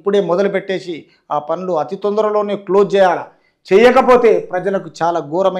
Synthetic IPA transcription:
pːuɽe̞ːmɔd̪ɐlupeʈːe̞ːsi | aːpɐnluɐt̪it̪ɔnd̪ɐɾɐlo̞ːneːklo̞ːt͡ʃɛːjaːlɐ | t͡ʃɛːjɐkɐpo̞ːt̪e̞ːpɾɐd͡ʒɐlɐkut͡ʃaːlaːɡuːɾɐmɐ

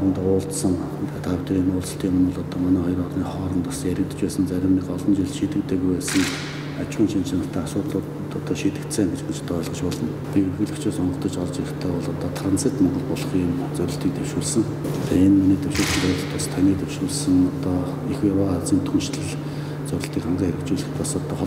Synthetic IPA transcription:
ə̆nt̪ʊːɮt̪sə̆ŋ | t̪t̪ʰaːt̪ʰeɾiːnʊːɮsə̆ɬt̪ʰiːmʊmʊ̆ɮɔt̪ɔːmanæːχɔjə̆rɔɮniːχɔːɾə̆nt̪ʰasjæɾʲɪ̆k̚t̪ə̥̆t͡ɕpæːsə̆nt͡sæɾʲɪ̆mnikɔɮɞ̆nt͡ɕiɮʃiːt̪ɘ̆kt̪ʰeːɣujpæːsə̆ŋ | at͡ɕwiːnt͡ɕʰint͡ɕʰanə̆ɬt̪ʰæːaʃʊːt̪ɮʊːt̪t̪ɔt̪ɔːʃiːt̪ɘ̆kt̪sæːŋɡet͡ɕmɘ̆t͡ɕt̪ʰœːɮʁə̆t͡ɕpɔɮɞ̆n | pʲiɵrɣɘ̆ɮɘ̆kt͡ɕʰeːsɔɴɢə̆kt̪ə̆t͡ɕɔɮt͡ɕiɾɪ̆xt̪ʰæːpɔɮɔt̪ɔt̪ʰrant͡sit̪mɔɴɢɞ̆ɮpɔɮɞ̆χiːm | t͡sœɾʲɪ̆ɬt̪iːkt̪ʰew̥ʃuːɮsɘ̆ŋ | t̪ʰaenminiːt̪ʰewʃuːɮsə̆nt̪æɾə̆xt̪ʰast̪ʰaniːt̪ʰewʃuːɮsə̆ŋɔt̪ɔ | ixjawaawt͡siːnt̪ʰunʃt̪ə̆ɮ | t͡sœɾʲɪ̆ɬt̪iːkaɴɢiːxʰeɾɘ̆kt͡ɕuːɮɘ̆t̪ʰasɔt̪ɔːχ

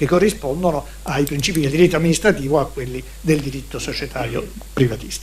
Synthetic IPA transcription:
kekːorːispɔnd̪ono | aipɾint͡ʃiːpid̪eld̪iɾit̪ːoamːinist̪ɾat̪iːvoakːwelːi | d̪eld̪iɾit̪ːosot͡ʃɛt̪ʰaːɾjo̰ | pɾivat̪ist̪ḁ

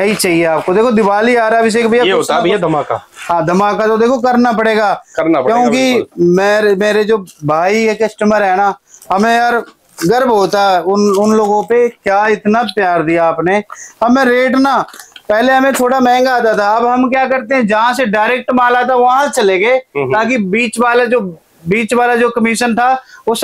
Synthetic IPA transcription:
ɐɦit͡ʃaːɦieaːp̚kod̪eːkʰod̪ɪʋaːliaːɾɛbɪs̬ekbʱiaɦoːt̪ad̪maːka̰ɦãːd̪əmaːkat̪od̪eːkʰok̬ɐɾnapəɽeːɡaːkəɾnapkjõːkimeːɾmeːɾed͡ʒoːbʱaːikekəsʈəməɾɦɛːnaːɦɐmẽaːɾ | ɡəɾəbɦoːt̪aɛʊnʊnloːɡõpekjaːɪt̪napjaːɾd̪ijaːpneːəmẽɾeːʈnaːpɛɦleɦəmẽt̪ʰoːɽamɛ̃ːŋɡaːt̪̬at̪ʰaɐbɦəmkjaːkəɾt̪eɦɛ̃d͡ʒəɦãseɖaːɪɾeːk̚ʈmaːlat̪ʰaɐɦãt͡ʃəleːɡeːt̪ãːkibiːt͡ʃʋaːlad͡ʒoː | biːt͡ʃʋaːlad͡ʒoːkəmiːʃənt̪ʰaːʊs

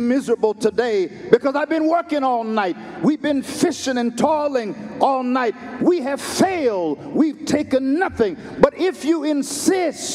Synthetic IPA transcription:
mɪzə˞əbl̩ˠtʰɨdeɪbɨkʌzaɪvbɨ̃nwɜ˞kɪ̃ŋɔlˠnaɪt̚wivbɨ̃nfɪʃɪ̃ŋɨ̃ntʰɔɹlˠɪ̃ŋʔɔlˠnaɪt̚wiɨv̥feɪlˠd̚wiv̥tʰeɪkɨ̃nːʌθɪ̃ŋ | bʌɾɪfjɨɪ̃nsɪs

